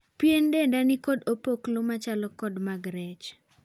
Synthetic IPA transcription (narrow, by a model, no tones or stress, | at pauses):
pjendendanɪkɔdopoklomat͡ʃalɔkɔdmaɡɾɛt͡ʃ